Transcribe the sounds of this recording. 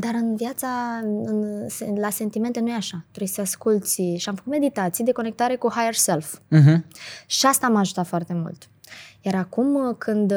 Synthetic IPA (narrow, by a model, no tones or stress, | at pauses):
d̪aɾɨnvjat̪saɨnselase̞nt̪ime̞nt̪e̞nujeaʃat̪ɾeseaskult̪sʲʃiamfə̥kut̪me̞d̪it̪at̪sijed̪e̞ko̞ne̞k̚t̪aɾe̞kuhajerself̩ɦʃiast̪aːmaʒut̪at̪foart̪e̞mṵlt̪ | jaɾakumkʰɨnd̪